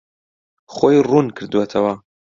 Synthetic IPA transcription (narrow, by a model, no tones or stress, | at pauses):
χojrunkʰɨɾd̪uwɐt̪ʰɐwɐ